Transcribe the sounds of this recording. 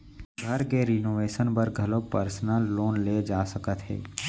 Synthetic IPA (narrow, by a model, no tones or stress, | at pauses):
ɡʱɐɾkeɾinoːʋeːʃənpəɾɡʱɐlopəɾsnəlːoːnleːd͡ʒaːsəkət̪ɦɛ̰ː